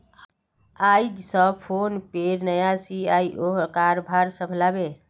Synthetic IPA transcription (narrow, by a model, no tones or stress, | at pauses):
ajd͡ʒsəpʰonpeɾnəjasiaiʔoɦkaɾbʱaɾsəbʱlabe